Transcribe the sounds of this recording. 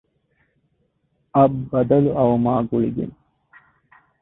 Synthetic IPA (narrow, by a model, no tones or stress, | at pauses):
ɐbbɐd̪ɐluʔɐʋɐmaːɡuɭiɡḛn